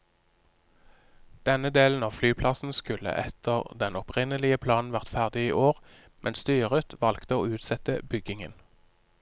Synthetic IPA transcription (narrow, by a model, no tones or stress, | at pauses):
d̪̥ɛnəd̪eːln̩ɑːʋflyːpʰlɑsn̩skʉlə̰ʔɛt̪ʰəʁd̪ɛnɔpʁɪnəlɪəpʰlɑːnn̩ʋæʁt̪fæʁd̪ɪiːʔoːʁ | mʔɛnst̪yːʁət̪ʋɑlkt̪əoːʉːt̪sɛt̪əbʏɡɪŋən